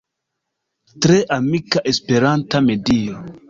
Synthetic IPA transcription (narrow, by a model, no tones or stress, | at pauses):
tɾeʔamikaʔespeɾantamedio